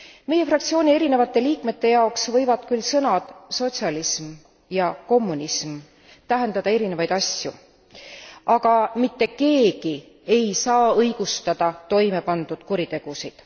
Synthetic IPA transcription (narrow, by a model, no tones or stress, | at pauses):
me̞je̞frɑk̚t̪sio̞ːnʲie̞ɾine̞vɑt̪ːˑe̞liːkme̞t̪ːe̞jɑoksvɤ̞jvɑd̪̥kylsɤnɑd̪̥so̞t̪ʲsiɑlism | jɑko̞mːunism | t̪æɦe̞nd̪ɑd̪ɑe̞ɾine̞vɑjd̪ɑsjṵ | ʔɑɡ̥ɑmit̪ːe̞ke̞ːɡi | e̞jsɑːɤjɡ̥ust̪ɑd̪ɑt̪o̞jme̞pɑnd̪̥ud̪̥kuɾit̪e̞ɡ̥usid̪̥